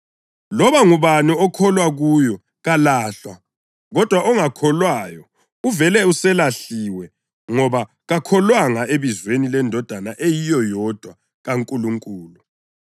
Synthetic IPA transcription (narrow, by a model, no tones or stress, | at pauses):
lɔβaŋuβanuɔkʰɔlwaɣujɔ | ɣalaːɬwa | ɣɔd̥ʱwaɔŋakʰɔlwaːjɔ | uvɛlɛusɛlaɬiwɛ | ŋɔβa | ɣakʰɔlwaŋaʔeβizwenilɛndʱɔd̥ʱanaʔejijɔjɔd̥ʱwa | ɣaŋkʼuluŋkʼuːlu